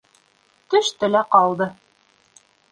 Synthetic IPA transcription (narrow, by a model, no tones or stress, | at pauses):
t̪ɵ̆ʃt̪ɵ̆læqɑlˠd̪ɤ